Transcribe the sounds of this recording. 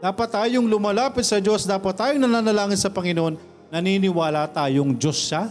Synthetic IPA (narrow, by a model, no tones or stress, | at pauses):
d̪aːpɐt̪ːaːjoŋlʊmaːlaːpɪt̪̚sɐd͡ʒo̞sd̪aːpɐt̪ːaːjoŋnɐnaːnɐlaːŋɪnsɐpɐŋɪnoʔonː | ɐniːnɪwaːlɐt̪aːjoŋd͡ʒo̞sʃa